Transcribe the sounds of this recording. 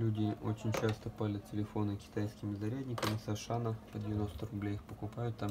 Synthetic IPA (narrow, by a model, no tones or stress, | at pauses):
lʲudʲɪot͡ɕɪnʲt͡ɕast̪əpalʲɪt̪ʲtʲɪlʲɪfo̞nɨkʲɪ̥t̪ajskʲɪmʲɪzɐɾʲædʲnʲɪkəmʲɪsɐʂanəpədʲɪvʲɪno̞st̪ərʊblʲejixpəkʊpajʊt̪ːam